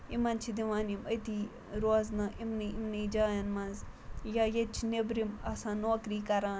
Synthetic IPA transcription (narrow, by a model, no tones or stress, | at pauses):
imɐnt͡ʃʰid̪iʋaːnimɐjt̪iː | ɾoːznɐʔimniimniːd͡ʒaːjɐnmɐ̃nz | jajet͡ʃʰinebɾimɐsãːnoːkɾiːkɐɾãː